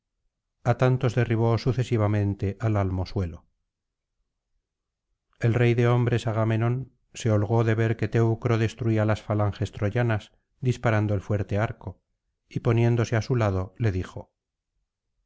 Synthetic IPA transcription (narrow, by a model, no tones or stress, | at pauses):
at̪ant̪o̞zðe̞riβ̞osuθe̞siβ̞amẽ̞nt̪e̞ʔalalmo̞swe̞lo | e̞lre̞jðe̞o̞mbɾe̞saɣamenõ̞n | se̞o̞lɣo̞ðe̞βe̞ɾke̞t̪ewkɾo̞ðe̞st̪ɾuialasfalaŋxe̞st̪ɾo̞ʝanas | d̪ispaɾand̪oelfwe̞ɾt̪e̞aɾko̞ | ipo̞nje̞nd̪o̞seasulaðo̞le̞ðixo̞